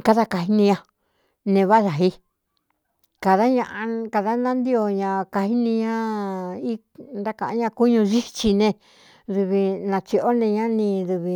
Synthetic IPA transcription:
ka˦ða˦ka˧ɦi˧˦nĩ˧ɲã˧ | nẽ˧βa˦ða˨ɦi˧ | ka˨ða˦ɲã˧ʔa˧ka˧ða˦nã˦nd̪i˦o˧ɲã˧ka˧hi˦nĩ˧ɲã˦i˦ | nd̪a˦kã˧ʔɲã˧ku˦ɲũ˧ʒi˦t͡ʃi˧nẽ˧ | ðu˧βi˧nã˧t͡ʃi˧ʔo˦nẽ˧ɲã˦nĩ˧ðu˧βi˧

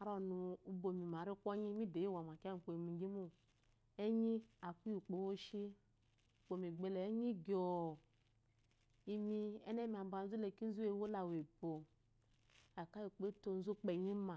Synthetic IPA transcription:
a˨ɾo˨nu˨u˦bo˨mi˨ma˨ɾi˦kʷo˦ɲi˦mi˦de˨ji˦wa˨ma˨ka˦˨k͡po˨mi˨˦ɡi˦mu˦ | e˦ɲi˦a˨ku˦ju˨k͡po˨wo˦ʃi˦˨ | k͡po˨mi˨ɡ͡be˨lɛ˨˦ɲi˦ɡʲo˨ | i˦mi˦ɛ̰˦ne˦mi˨a˨m˦ba˨n̩˦zu˦le˨ki˦n̩˦zu˦e˦˨˦wo˦la˨we˨bo˨ | a˨ka˦ji˨k͡pe˦to˦n̩˦zu˦k͡pe˨ɲi˦ma˨

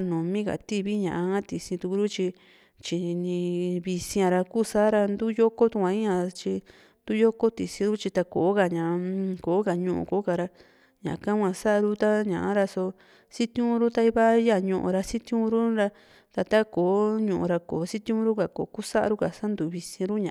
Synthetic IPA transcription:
nũ˨mĩ˦ka̰˨t̪i˦βi˦ɲã̰˨ʔa˧ã˦t̪i˨sĩ˧t̪u˧ku˧ɾu˦t͡ʃi˧ | t͡ʃi˧nĩ˧βi˧sĩ˧ã˧ɾa˧kuː˦sa˦ɾa˧nd̪u˦jo˦ko˦t̪u˧kʷã˧ĩ˦ɲã˧t͡ʃi˧ | nd̪̥u˦jo˦ko˦t̪i˨sĩ˧ɾu˦t͡ʃi˧t̪a˧ko̰˨˦ka˧ɲã˨˧koː˨˦ka˨ɲũ˧ʔṵ̃˧ko˨˦ka˨ɾa˧ | ɲã̰˨˧kã˦ŋʷã˧sa˦ʔa˧ɾu˦t̪a˦ɲã˨ʔa˦ɾa˧so˧ | si˦t̪ũ˦ɾu˦t̪a˧i˧βa˦ja˦˧˨ɲũ˧ʔṵ̃˧ɾa˧si˦t̪j̃ũ˧˦˧ɾu˦ɾa˧ | t̪a˧t̪a˦koː˨˦ɲũ˧ʔũ˧ɾa˧ko˨˦si˦t̪ĩ˦˧ũ˧˦ɾu˦ka˨ko̰˨˦ku˦sa˦ʔa̰˧ɾu˦ka˨sa˦nd̪u˨˧βi˧sĩ˧ɾu˦ɲã˨˦

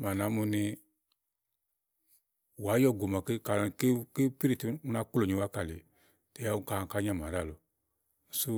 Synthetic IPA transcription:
ma˨na˨˦mu˧ni˧ | wa˨˦jɔ˦˨ɡo˨ma˨ke˦ka˨ke˦ke˦pi˦ɾi˨ti˨˦u˦na˧˦ku˦lo˨ɲĩ˨wa˨˦ka˨le˨ | te˨ja˦u˦ka˨ka˦ɲã˦˨mã˨ɾa˦˨lo˨ | su˦

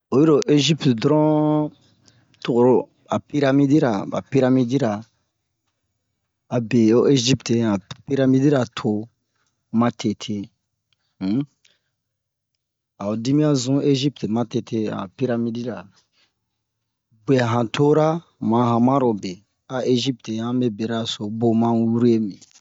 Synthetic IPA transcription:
o˨ji˦ɾo˨ʔe˦ʒi˦ptdɾɔ̃˦ | to˨ɾo˨˦ | a˨pi˦ɾa˦mi˦di˦ɾa˨ba̰˨pi˦ɾa˦mi˦di˦ɾa˨ | be˨o˦e˦ʒi˦pte˨ã˨pi˦ɾa˦mi˦di˦ɾa˨tʰo˨ | mã˦tʰe˨tʰe˧˦ | a˨o˨di˦mĩ˦a˦zũ˦e˦ʒi˦pte˨mã˦te˨tʰe˦a̰˨pi˦ɾa˨mi˦di˦ɾa˨ | ɡ͡be˨a˨ɦã˨tʰo˦ɾa˦ | mã˨ɦã˨mã˦ɾo˨be˨ | a˨ʔe˦ʒi˦pte˨ã˦be˦be˨ɾa˦˨so˨bo˦mã˦wu˦ɾu˦e˦mĩ˨

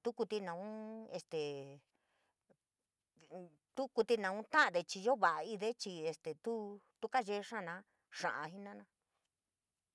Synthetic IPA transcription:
t̪u˦ku˧t̪i˧nã˨˧ũ˦e˧st̪e˨ | t̪u˦ku˧t̪i˧nã˧ũ˦t̪ã˦ʔã˧ðe˧t͡ʃi˧ʒo˦βa˨ʔa˧i˧ðe˦t͡ʃi˧e˧st̪e˨t̪u˦t̪u˦ka˦ʒe˧ʂã˦˨nã˧˦ | ʂã̰˧ʔã˧ɦi˦nã˦nã˧

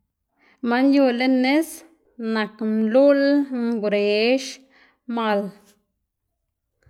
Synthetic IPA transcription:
ma˧nju˧le˦nːe˦s | na˨knlu˦lŋɡɾe˨ʃ | ma˧˨l

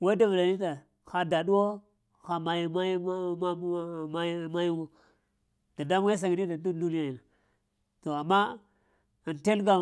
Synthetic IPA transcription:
wa˦da˨va˨la˨ni˦ta˨ | xa˨da˨ɗu˦wo˦ | xa˨ma˨jma˦ja˦˨ma˦jma˦ji˦ɡo˨ | d̥a˨da˦m˦a˦s̬a˨ɡi˨ni˦da˨du˦du˦ni˦ja˦ji˨na˨ | to˨a˨mːa˦ | a˨nte˦lɡa˨

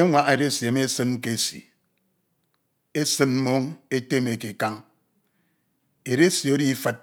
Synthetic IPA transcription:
e˦ŋʷa˦e˨ɾe˦si˨e˨me˦sɨ˦n˦ke˦sḭ˨ | e˦sɨ˦nm̩˦mo˦ŋe˦te˦me˨ki˨ka˦ŋ | e˨ɾe˦si˨o˦ɾi˦fɨ˦t̚

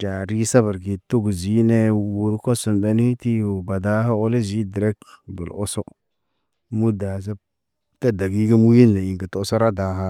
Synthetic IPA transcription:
d͡ʒa˨ɾi˦sa˦ba˨ɾɡi˨to˦ɡu˨zi˦ne˦wu˨ɾko˦su˨nbe˨˦ni˦ti˦o˨ba˨da˦ha˦o˦le˦zi˦dɾɛ˦kdo̰˨lo˦so˦ | mu˦da˨za˦ | ka˦da˨ɡi˦ɡi˦mu˦ji˦nːe˨i˨ŋɡa˨to˦so˦ɾa˦da˨˦ɦa˦

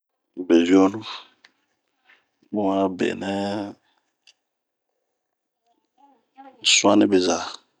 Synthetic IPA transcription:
be˨vi˦ɔ˦nu˦ | bo˦wa˦bḛ˨nɛ˦ | swa˦nɛ̃˦be˨za˨

